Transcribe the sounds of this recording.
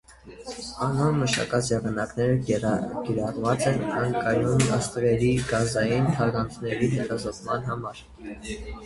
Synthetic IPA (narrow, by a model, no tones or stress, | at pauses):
ɑnɔnməʃɑ̰kɑt͡sʰjɛʁɑnɑknɛɾəɡ̥ɛɾɑʁvɑt͡sɛnɑjŋkɑjunɑst̪vɛɾiɡɑzɑjint̪ʰɑɡɑnt͡sʰnɛɾiɦɛt̪ɑzɔt̪mɑnɦɑmɑɾ